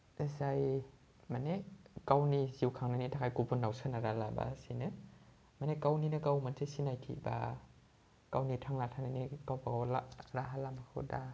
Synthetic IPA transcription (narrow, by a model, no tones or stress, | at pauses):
esaj | manekawniziwkʰaŋnanitʰakʰajkupʰunːawsanaɾalaba̰sinɯ | manekawninɯkawmansʰesinajtʰḭba̰ | kawnitʰaŋlatʰananikawpakawlaɾaɦalamakʰɯ̰wda